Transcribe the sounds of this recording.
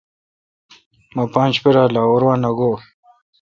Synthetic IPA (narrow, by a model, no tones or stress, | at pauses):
mapaːnt͡ɕpiɾaːlaːwoɾwaːnaɡoː